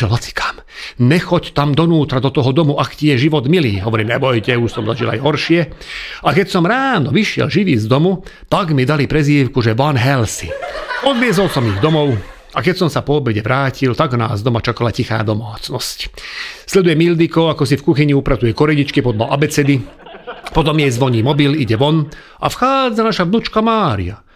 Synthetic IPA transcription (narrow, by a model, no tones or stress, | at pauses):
ɛlɦat͡si̥kʰḁm | ɲɛxɔct̪amd̪ɔnuːt̪ɾad̪ɔt̪ɔɦɔd̪ɔmuʔakcijɛʒiʋɔd̪miliːɦɔʋɔɾiːmɲɛbɔjcɛuʃsɔmzaʒila̰jɦɔɾʃɪɛakɛcsɔmɾaːnɔʋiʃɪɛ̰lʒiʋiːzd̪ɔmu | t̪aɡmid̪alipɾɛziːwkuʒɛʋɔnɦɛlsḭɔd̪ʋɪɛzɔlsɔmiɣd̪ɔmɔʊ | akɛcsɔmsapɔːbɛɟɛʋɾaːcilt̪aɡna̰ːzd̪ɔmat͡ʃakalacixa̰ːd̪ɔmaːt͡snɔscslɛd̪ujɛmild̪ikɔakɔs̬ifkuxiɲiupɾat͡sujɛkɔɾɛɟit͡ʃkipɔd̪la̰ʔabɛt͡sɛd̪i | pɔt̪ɔmjɛjzʋɔɲiːmɔbiliɟɛʋɔn | ʔa̰fxaːd͡zanaʃaʋnut͡ʃkamaːɾḭa̰